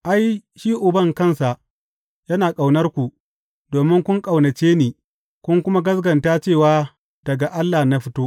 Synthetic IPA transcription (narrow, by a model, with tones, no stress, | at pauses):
ʔa˦jʃiː˦ʔʊ˨bɐ˦˨ŋkɐ˦nsa˨ʔ | jɐ˦naː˨kʼa˨wnɐ˦rkʷu˨ | doː˨mɪ˦ŋkʷʊ˦ŋkʼa˨wnɐ˨t͡ʃeː˦neː˨ | kʷʊ˦ŋkʷʊ˦ma˦ɡɐ˦sɡɐ˨ntaː˦t͡ʃeː˦˨waː˦ | d̥ɐ˨ɡa˨ʔa˦lːaː˨na˦ɸɪ˦toː˦